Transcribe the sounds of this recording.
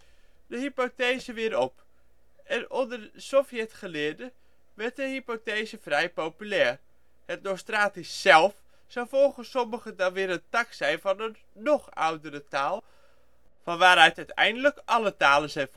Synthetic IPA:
dəɦipotejzəʋɪːɾɔp | ʔɛnɔndərəsofjɛtχəlɪːɹdə | ʋɛɹt̚dəɦipotejzəfrɛjpowpylɛːɹ | hət̚nowstraːtisːɛlˠf | sɔwfɔlˠχəsɔməχədɑnʋɪːɾəntaksɛjnvɑnənː | ɔχa̰wdəɾətaːlˠ | fɑnʋaːɾœɥtœɥtɛ̰jndələkʔɑlətaːlənzɛjnf

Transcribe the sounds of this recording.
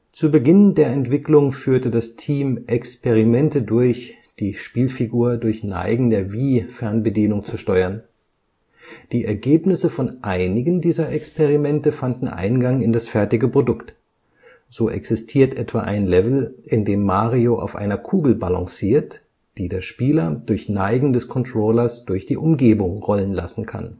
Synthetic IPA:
t͡suːbəɡɪndeːɐɛntv̥ɪklʊŋfyːɐtədastʰiːmʔɛkspeʁ̞imɛntədʊɐç | d̥iːʃpiːlfiɡuːɐdʊɐçna̰ɪɡŋ̩dəviːfɛɐnbədiːnʊŋt͡suʃtɔʏɐn | d̥iːʔɛɐɡeːpnɪsəfɔnʔaɪnɪɡəndiːzɐʔɛkspeʁimɛntəfandn̩ʔa̰ɪnɡaŋɪndasfɛɐtɪɡəpʁ̥odʊkt | z̥oːʔɛ̰ksɪstʰiːɐtʔɛtv̥a̰ːʔa̰ɪnlɛvl̩ʔɪndeːmːaːʁioʔa̰ʊfʔa̰ɪnɐkʰuːɡl̩balɔ̰̃ŋsiːɐt | d̥iːdeːɐʃpiːlɐd̥ʊɐçnaɪɡŋ̩dɛskʰɔntʁ̥oːlɐsd̥ʊɐçd̥iːʔʊmɡeːbʊŋʁɔlənla̰sn̩kʰa̰n

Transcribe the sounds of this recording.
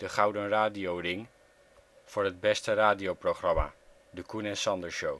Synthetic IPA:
d̥əχʌwdənraːdiowrɪŋ | v̥ʊːɹɦəd̚bɛstəraːdiowproχrɑma̰ː | dəkunɛnsɑndəɹʃow

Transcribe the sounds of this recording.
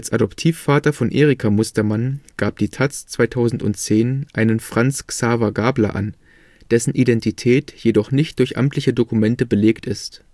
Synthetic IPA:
ʔalsʔadɔptʰiːfːaːtɐfɔnʔeːʁikʰamʊstɐmanɡ̥aːp̚d̥iːtʰat͡st͡sv̥aɪtʰaʊzn̩tʊ̰ntt͡seːnʔaɪnənfʁ̥ant͡sksaːvɐɡaːblɐ̰ʔa̰n | d̥ɛsn̩ʔidɛntitʰɛːtjedɔχnɪçt̚d̥ʊɐçʔa̰mtʰlɪçədokumɛntəbəleːktɪst

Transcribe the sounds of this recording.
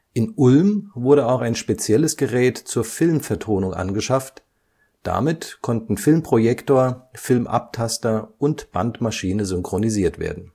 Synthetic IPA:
ʔɪnʔʊlmvʊɐɾəaʊxaɪnʃpet͡sjɛləsɡ̥əʁɛːtt͡suːɐfɪlmfɛɐtʰoːnʊŋʔa̰nɡəʃaft | d̥a̰mɪtkʰɔntn̩fɪlmpʁ̥ojɛktoːɐfɪlmʔa̰p̚tʰastɐʔʊntb̥a̰ntmaʃiːnəzʏŋkʁ̥oniziːɐtv̥ḛːɐdn̩

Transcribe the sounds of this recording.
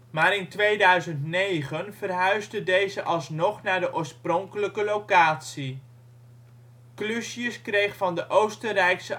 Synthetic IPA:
maːɾɪntʋejdœɥzəntnejχənv̥ərɦœɥzdədejzəʔɑlˠsnɔχnaːɹdəʔʊːɹsprɔŋkələkəlowkaːtsi | klysjəskrejχfɑndəʔowstərɛjksə

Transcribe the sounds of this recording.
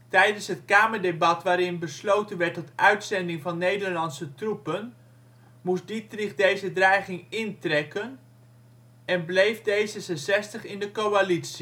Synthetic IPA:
tɛjdənsɦətkaːməɹdebɑtʋaːɾɪnbəslowtənʋɛɹtːɔtœɥtsɛndɪŋvɑnːejdəɹlɑnsətrupən | musditrɪχdejzədrɛjχɪŋɪntrɛkən | ɛnblejvdejzəzəzɛstəχɪndəkowalitsi

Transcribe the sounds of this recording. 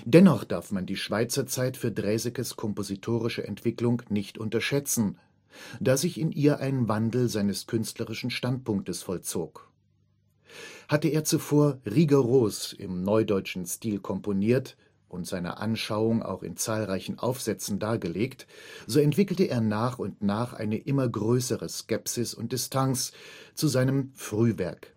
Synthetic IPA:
d̥ɛnɔχd̥aɐfmandiːʃv̥aɪt͡sɐt͡saɪtfyːɐdʁɛːzɪkəskʰɔmpozitʰoːʁ̞ɪʃəʔɛ̰ntv̥ɪklʊŋnɪçtʔʊntɐʃɛt͡sn̩ | d̥aːzɪçɪnʔiːɐʔaɪnvandl̩zaɪnəskʰʏnstləʁɪʃn̩ʃtant̚pʊŋk̚təsfɔlt͡soːk | hatəeːɐt͡sufoːɐʁiɡaʁoːsɪ̰mnɔʏdɔʏt͡ʃn̩stiːlkʰɔmponiːɐt | ʔʊntz̥aɪnɐ̰ʔa̰nʃaʊʊŋa̰ʊxɪ̰nt͡saːlʁaɪçn̩ʔa̰ʊfz̥ɛt͡sn̩daːɐɡəleːktz̥oːɛntv̥ɪkl̩təʔeːɐnaːχʊntnaːχʔa̰ɪnəʔɪmɐɡʁøːsəʁəskɛpsɪsʊ̰nt̚d̥ɪstʰanst͡suzaɪnəmfʁ̥yːvɛ̰ɐk

